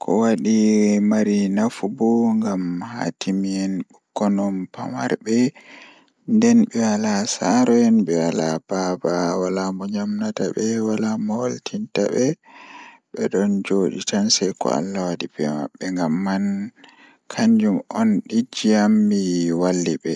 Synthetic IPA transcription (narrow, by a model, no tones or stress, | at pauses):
kʰɔwaɗimaɾinafubɔŋɡamha̰tʰimiɛnɓukːɔnɔmpama̰ɾbɛ | ndɛnɓɛwalasaɾɔjɛnbɛwalab̥abawalamɔɲamnatabɛwalamɔwaltʰintabɛ | ɓɛɗɔnd͡ʒoɗitansajkɔ̰a̰lːawadibɛma̰ɓːɛŋɡamːan | kʰaɲd͡ʒumɔnɗid͡ʒiamːiwalːibɛ